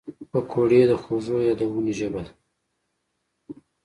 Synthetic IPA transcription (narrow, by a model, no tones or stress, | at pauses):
pəkʰoɽed̪əxozojɑd̪awunoʒəbal